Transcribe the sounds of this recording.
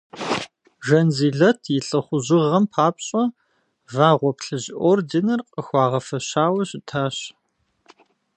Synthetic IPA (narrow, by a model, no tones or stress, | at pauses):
ʒɐnziːɮɐtʰjɪɬʼɨχʷʊʑɪʁɐmpʰaːpɕʼɐ | vaːʁʷɔpɬɨʑɪʔoːrdinɨrqʼəxʷɑːʁɐfɐɕaːwɐɕɪtʰaːɕ